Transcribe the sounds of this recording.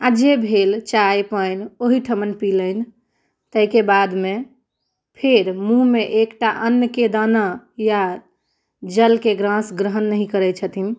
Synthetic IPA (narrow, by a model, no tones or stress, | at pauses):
ad͡ʒebʱelt͡ʃajpəɪnoɦiʈʰəmənpilən | t̪əkebad̪me | pʰeɾmũɦmeʔekʈaʔənjəked̪anaja | d͡ʒəlkeɡɾãsɡɾəɦənːəɦĩkəɾɛt͡ʃʰət̪in